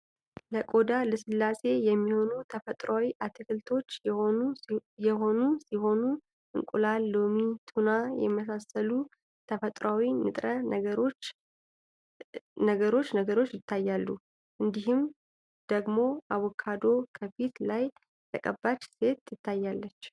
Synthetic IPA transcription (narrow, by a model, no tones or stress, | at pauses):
ləkʼo̞d̪aləsɨlːase̞jɛmːiho̞nut̪ʰəfət̪ʼɾawiʔat̪ʰɨkɨlt̪ʰo̞t͡ʃːujɛɦo̞nusiho̞nu | ʔɨŋkʼulalːomit̪ʰunajɛ̰məs̬asəlu | t̪ʰəfət̪ʼɾawinɨ̰t̪ʼɾənɾo | nəɡəɾo̞t͡ʃːnəɡəɾo̞t͡ʃːjɪt̪ːajːalːu | ʔɨnd̪iɦɨm | d̪̥əɡmo̞ʔawɔkʰad̪o̞kʰəfit̪laj | t̪ʰə̰kʼəbːat͡ʃːse̞t̪jɪt̪ːajːalːət͡ʃː